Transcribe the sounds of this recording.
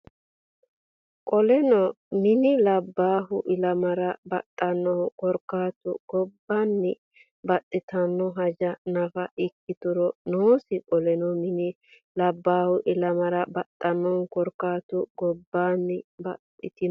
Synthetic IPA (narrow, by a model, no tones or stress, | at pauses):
kʼɔlɛnɔ | mɪnɪlɐbːaːɦʊʔɪlɐmɐɾɐbɐ̰t̪ʼːɐnːɔkɔɾkːaːt̪ʊ̰ɡ̥ɔbːanːɪ | bɐt̪ʼːɪt̪ɐnːɔɦɐd͡ʒɐnɐfɐʔɪkːɪt̪ʊɾɔnoːsɪkʼɔlɛnɔmɪnɪ | lɐbːaːhʊʔɪlɐmɐɾɐbɐt̪ʼːɐnːɔnkɔɾkːaːt̪ʊɡ̥ɔbːaːnːɪbɐ̰t̪ʼːɪ̰t̪ɪ